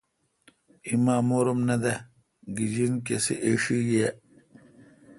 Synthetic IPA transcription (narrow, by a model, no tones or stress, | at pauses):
imaːmoːɾumnɐd̪ɐ | ɡid͡ʑink̬esiʔeʂiːɡe